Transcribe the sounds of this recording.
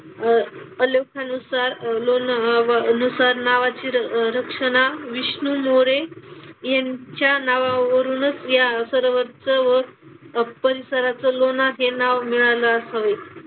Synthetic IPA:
əlokʰanusaɾlonʋənusaɾnaʋat͡ɕiːɾəkʂəɽ̃aʋiɕɳumoɾejaɲt͡ɕjanaʋaʋəɾuːnət͡sjasəɾʋəɾt͡səʋəɾpəɾisəɾat͡səlonaɦenaʋmiɭaləːsaʋe

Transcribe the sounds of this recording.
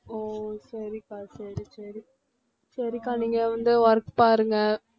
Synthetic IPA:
oːsɐɾikaːsɐɾisɐɾi | sɐɾikaːniːŋɡɐʋɐnd̪ɯʋɐɾkpaːɾɯŋɡɐ

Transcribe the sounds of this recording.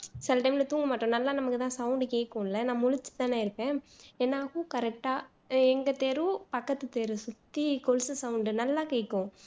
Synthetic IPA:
sɪlɐʈɐɪmɪlɐt̪uːŋɡɐmaːʈːõːnɐlːãːnɐmɐkːɯt̪ãːsɐʊɳɖɯkeːkːõːɪlːɐnãːmʊɻʊt͡ʃːɯ̥t̪ãːneːɪɾɯpːẽːeːnːaːkukɐɾɛk̚ʈːaː | ɛŋɡɐt̪eːɾupɐkːɐt̪ːɯt̪eːɾɯsʊt̪ːikɔlsɯsɐʋʊɳɖɯnɐlːaːkeːkːõ

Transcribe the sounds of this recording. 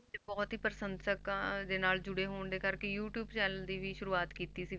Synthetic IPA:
bɔːt̪ɦiːpəɾsə̃nd̪səkd̪eːnaːld͡ʒʊɽeɦoːɳd̪eːkəɾkejuːʈjuːbt͡ʃɛːnəld̪iːʋiːʃʊɾuːaːt̪kiːt̪iːsi

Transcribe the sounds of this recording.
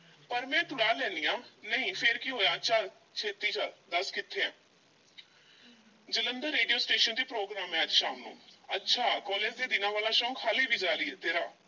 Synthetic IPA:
pəɾmɛ̃ːt̪ʊɽaːlɛ̃ːnijãːnəĩːpʰeɾkiɦoːjãːətːʃʰaː | t͡ʃʰeːt̪iːt͡ʃad̪əskɪt̪ʰːeːãː | d͡ʒələnd̪əɾːeːɖijoːsʈeːʃənd̪iːpɾoːɡɾaːmɛ̃ːd͡ʒʃaːmnṵ̃ːətːʃʰaːkɔːleːd͡ʒd̪eːd̪ɪnãːʋaːlaːʃɔ̃ːŋkhaːliːbiːd͡ʒaːɾiːt̪eːɾaː

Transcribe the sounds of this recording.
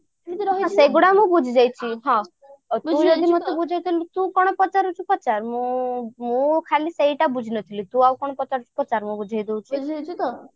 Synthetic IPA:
ãseɡuɽamũbud͡ʒʱid͡ʒajt͡ʃʰiɦɔ̃ | t̪ũd͡ʒɔd̪imɔt̪ebud͡ʒʱajt̪ʰilut̪ũkɔɽ̃ɔpɔt͡ʃaɾut͡ʃʰupɔt͡ʃaɾmũmũkʰaliseiʈabud͡ʒʱinɔt̪ʰilit̪ũawkɔɽ̃ɔpɔt͡ʃaɾut͡ʃʰu̥pɔt͡ʃaɾmũbud͡ʒʱajd̪ewt͡ʃʰid͡ʒ̪

